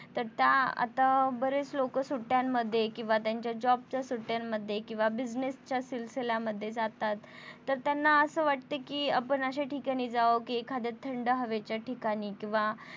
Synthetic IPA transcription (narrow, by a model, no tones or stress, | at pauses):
t̪əɾt̪jaa̰t̪abəɾet͡slokəsuʈːjamːəd̪ʱːjekĩw̃ʋat̪jaɲt͡ɕjad͡ʑɔb̚t͡ɕjasuʈːjamːəd̪ʱːjekĩw̃ʋabid͡ʑnest͡ɕjasilselaməd̪ʱːjed͡zat̪at̪ː | əɾt̪janːaəsəːʋaʈ̚t̪ekiːapəɳəɕeʈikaɽ̃iːd͡zaəkikʰːad̪et̪ʰːəɳɖəɦəʋet͡ɕaʈʰikaɽ̃iːkĩw̃ʋa